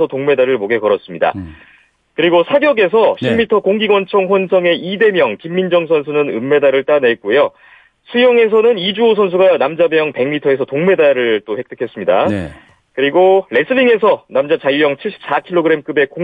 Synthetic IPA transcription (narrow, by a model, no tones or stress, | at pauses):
ʌtoŋme̞daɾɯɭmoɡe̞kʌɾʌs͈ɯmɲida̰ | kɯɾiɡosʰaɡjʌɡe̞sʰʌɕʰimːitʰʌkoŋɡiɡwʌnt͡ɕʰʌŋɸwʌnsʰʌŋe̞ide̞mjʌŋkimːind͡ʑʌŋsʰʌnsʰunɯnɯ̰mːe̞daɾɯɭt͈anet̚k͈ujo | sʰujʌŋe̞s̬ʰʌnɯnid͡ʑuos̬ʰʌns̬ʰuɡanamd͡ʑamjʌŋpe̞ŋmitʰʌe̞sʰʌtoŋme̞daɾɯɭt͈ohe̞k̚t͈ɯ̥kʰe̞s͈ɯmɲida̰ | kɯɾiɡoɾe̞s͈ʰɯɾiŋe̞sʰʌnamd͡ʑat͡ɕajujʌŋt͡ɕʰiɭɕ͈ʰi̥p̚s͈akʰiɭoɡɯɾe̞mk͈ɯbe̞ko